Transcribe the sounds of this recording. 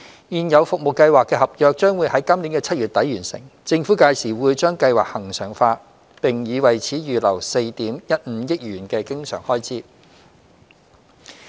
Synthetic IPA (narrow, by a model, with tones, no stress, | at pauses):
jiː˨njɐ˨˧wfʊ˨k̚mo˨wkːɐ˧jwaː˨kːɛː˧hɐ˨p̚jœː˨k̚t͡ʃœː˥ŋwu˨˧jhɐ˨˥jkɐ˥mliː˨˥nkɛː˧t͡sʰɐ˥t̚jyː˨t̪̚ɐ˨˥jɥyː˨˩nsɪ̰˨˩ŋt͡sɪ˧ŋfuː˨˥kaː˧jsiː˨˩wuː˨˧jt͡ʃœː˥ŋkɐ˧jwaː˨k̚hɐ˨˩ŋsœː˨˩ŋfaː˧ | pɪ˨˩ŋjiː˨˧wɐ˨˩jt͡sʰiː˨˥jyː˨lɐ˨˩wse˧jt̪iː˨˥mjɐ˥t̚m̩˨˧jɪ˥k̚jyː˨˩nkɛː˧kɪ˥ŋsœ̰ː˨˩ŋhɔː˥jt͡siː˥